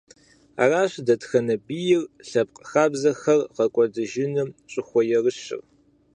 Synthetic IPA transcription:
a̰ːraːɕdɐtxɐnɐbijɪrɬɐp̚qʼxaːbzɐxɐrʁɐkʷʼɔdɨʒɪnɨmɕʼɪxʷɔjɛrɨɕɪ̰r

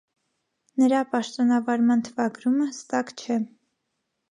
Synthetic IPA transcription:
nəɾɑpɑʃt̪ɔnɑvɑɾmɑnt̪ʰəvɑɡɾuməhəst̪ɑkt͡ʃʰɛ

